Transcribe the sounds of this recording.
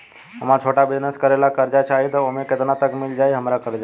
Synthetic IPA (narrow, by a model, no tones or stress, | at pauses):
ɦəmaɾt͡ʃʰoʈabɪd͡ʒnəskəɾelakəɾd͡ʒat͡ʃaɦit̪ɔoɦmẽket̪nat̪əkmild͡ʒajɦəmɾakəɾd͡ʒa